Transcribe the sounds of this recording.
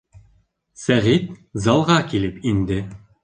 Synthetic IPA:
sæʁit̪̚zɑlˠʁɑkilɘpind̪ɘ

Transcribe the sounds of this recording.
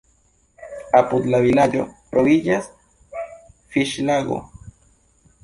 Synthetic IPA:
aput͡ɬaβilaʎo | ɾoðijas | fiʃlaɣo̰

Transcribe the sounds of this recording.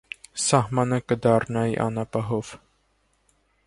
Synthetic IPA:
sɑɦmɑnəkəd̪ɑrnɑḭʔɑ̰nɑpɑɦɔv̥

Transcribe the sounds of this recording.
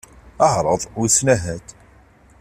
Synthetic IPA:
əʕɾˤəðˤwsnæɦæt̪

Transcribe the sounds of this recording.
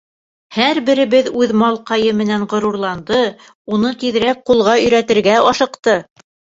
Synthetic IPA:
hæɾbɘ̆ɾɘ̆βɘðʉðmɑlˠqɑjɤmɘ̆nænʁŏɾuɾlˠɑnd̪ɤ | unɤt̪iðɘ̆ɾæk̚qulˠʁɑɵ̆jɾæt̪ɘ̆ɾɡæɑʃɤ̆qt̪ɤ

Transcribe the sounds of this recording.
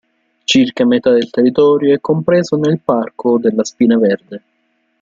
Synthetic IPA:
t͡ʃirkamet̪ad̪elt̪erːit̪ɔːɾjoɛkːompɾeːzonelparkod̪elːaspiːnaverd̪e

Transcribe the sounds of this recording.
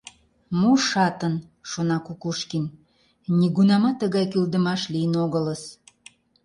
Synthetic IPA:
muʃɑt̪ən | ʃonɑkukuʃkin | nʲiɣunɑmɑt̪ːəɣɑjkyld̪əmɑʃlijənoɣələs

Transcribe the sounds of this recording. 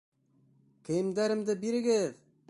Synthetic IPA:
kʲʰĕjɪmd̪æɾɘ̆md̪ɘbiɾɘ̆ɡɪð

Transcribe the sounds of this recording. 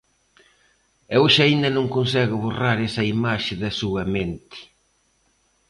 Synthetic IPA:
ewʃaind̪ɐnõŋkons̬ɛɣʊβoraɾɛsɐimaʃɪðɐsuɐment̪ɪ̥

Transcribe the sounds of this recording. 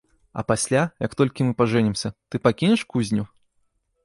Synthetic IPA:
ɐ̰pasʲlʲajɐkt̪ɔlʲkʲimɨpaʐɛnʲimsʲɐt̪ɨpakʲinʲɛʂkuzʲnʲu

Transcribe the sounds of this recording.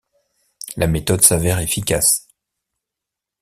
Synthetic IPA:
lʔamet̪ɔd̪savɛʁefikʲas

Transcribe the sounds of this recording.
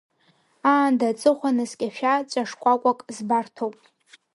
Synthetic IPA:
aːndat͡sʼɨχʷanɨskʲʼaʃᶣat͡ʃʷʼaʂkʷʼakʷʼakʼzbartʰowpʼ

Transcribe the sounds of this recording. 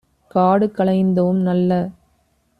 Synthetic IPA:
kaːɽɯkːɐɭɐɪnd̪ɐʋɯmnɐlːɐ

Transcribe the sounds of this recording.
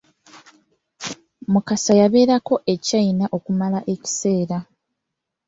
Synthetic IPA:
mukasajaβe̞ːɾako̞ʔe̞cainaʔo̞kumalaʔe̞ci̥se̞ːɾa

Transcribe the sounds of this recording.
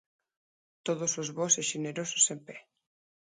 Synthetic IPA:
t̪oðosozβoseʃeneɾoso̥sempɛ

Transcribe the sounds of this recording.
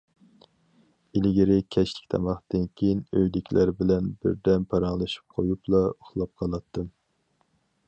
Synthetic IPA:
ilɡʲiɾɪkʲʰɛʃlɪ̥kʲt̪ʰɑ̰mɑχd̪ɨnkʲʰejinøjlɪkʲlæɾbɪlɛnbɪ̰ɾd̪ɛnpʰɑɾɑŋlˠɨʃi̥p̚qʰojuplˠɑoχlˠɑp̚qʰɑlˠɑt̪ʰːɨm

